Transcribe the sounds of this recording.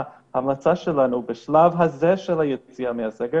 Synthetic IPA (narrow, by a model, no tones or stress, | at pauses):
hamlat͡saʃɛlanubeʃlavɦazɛʃɛlˠhajɛt͡siameasɛɡɛ